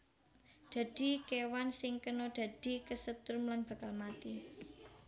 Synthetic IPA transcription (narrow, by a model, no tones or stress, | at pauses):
d̪̥ä̤d̪̥i̤kewansɪŋkənod̪̥a̤d̪̥i̤kəsət̪ʊɾmlanb̥ä̤kalmat̪i